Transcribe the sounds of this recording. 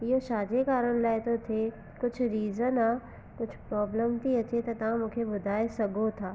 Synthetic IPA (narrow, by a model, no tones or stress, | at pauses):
joʃaːd͡ʒ̪ekaːɾəɽ̃laːet̪ot̪ʰe | kʊt͡ʃʰɾiːzənaː | kʊt͡ʃʰpɾɔːbləmt̪ʰiɐt͡ʃʰet̪ɐt̪ɐãmʊkʰebʊd̪ʱaːesɐɡot̪ʰaː